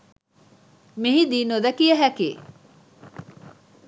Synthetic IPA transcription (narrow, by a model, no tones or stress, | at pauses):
miɦid̪iːnod̪ɐkijəɦækḛː